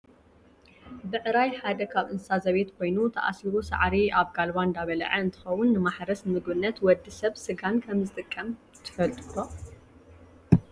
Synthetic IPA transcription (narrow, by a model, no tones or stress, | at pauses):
bɨʔɨɾajħad̪ɐkʰaβʔɨnsazɐβe̞t̪kʰo̞jnut̪ʰɐʔa̰siɾusa̰ʕɾiaβɡalβand̪aβɐl̰ʕɐɨnt̪ʰɨ̥xɐwʊnːɨmaħɾɐsmɨɡbɨnːɐt̪wɔd̪ːɨsɐβsɨɡankʰɐmzɨt̪ʼɨkʼːɐm | t̪ʰɨ̥fɐlt̪ʼɾo